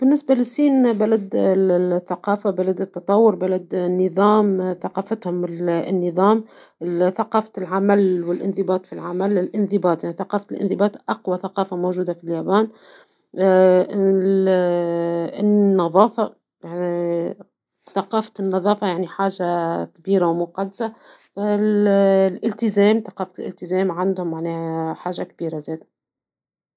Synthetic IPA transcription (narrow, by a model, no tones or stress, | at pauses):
b̥ɪnːɪsbalɪsːiːnbalad̪ | θːaqɑːfabalad̪ɪt̪ːɑt̪ˤɑwːʊɾbalad̪nːɨðˤɑːmθaqɑːfat̪hʊmɪnːɨðˤɑːm | θaqɑːfat̪lʕamælwɪlʔɪnðɪbɑːt̪ˤfilʕamælɪlʔɪnðɪbaːt̪ˤjaʕniθaqɑːft̪ɪlʔɪ̰nðɪbɑːt̪ˤʔɑqwaθaqɑːfamowʒuːd̪afiljaːbaːn | ɪnːɑðˤɑːfa | jani | θɑqɑːfḁt̪ɪnːɑðˤɑːfajaʕniħaːʒakbiːɾawmʊqɑd̪ːsa | lʔɪlt̪ɪzɛːmθɑqɑːfat̪ɪlɪ̰lt̪ɪzɛːmʕand̪hʊmːaʕnɛːhħaːʒakb̥iːɾazɛːd̪